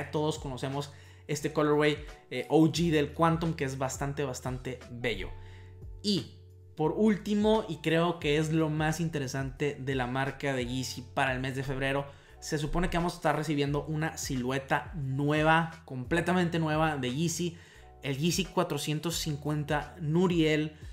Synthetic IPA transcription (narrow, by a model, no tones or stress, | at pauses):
t̪o̞ð̞o̞sko̞no̞se̞mo̞s | e̞st̪e̞koloɾwejʔowʝiðe̞lkwant̪õmke̞ezβast̪ant̪e̞βast̪ant̪e̞βe̞ʝo̞̰ | i | po̞ɾult̪imo̞ikɾe̞o̞ke̞e̞zlo̞masint̪e̞ɾe̞sant̪e̞ðe̞lamaɾkaðe̞ʝisipaɾaelme̞zðe̞fe̞β̞ɾe̞ɾo̞ | se̞s̬upo̞ne̞ke̞βamo̞se̥st̪are̞siβje̞nd̪o̞ʔunasilwe̞t̪anwe̞β̞ako̞mple̞t̪amẽnt̪e̞nwe̞βaðe̞ʝisi | e̞lʝisikwat̪ɾo̞sje̞nt̪o̞sːiŋkwe̞nt̪anuɾje̞l